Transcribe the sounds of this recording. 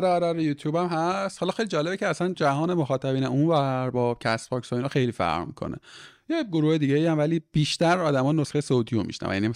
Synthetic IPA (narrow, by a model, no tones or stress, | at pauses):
ɾeaɾæɾejuːt̪ʰjuːbæmɦæst̪hɒlɒːxejlid͡ʒɒːle̞becʰeæsænd͡ʒæɦɒːnemoxɒːt̪ʰæbiːneʔunvæɾbɒːcʰæsbʰɒːksɒinɒːxe̞jliːfæ̰ʁʁmḭkʰo̰nḛjeɡoɾuːhed̪iːɟeiːæmvæliːb̥iːʃt̪æɾɒːd̪æmɒːnosxejesowt̪ʰiːomḭʃnæ̰væ̰jæ̰nim